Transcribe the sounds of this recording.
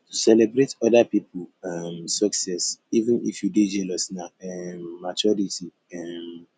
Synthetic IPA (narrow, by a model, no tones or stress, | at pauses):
tusɛlɛbɾetɔdapiplamsɔksɛsivə̃nḭfjuded͡ʒɛlɔsnaɛmːat͡ʃɔɾiti | ɛm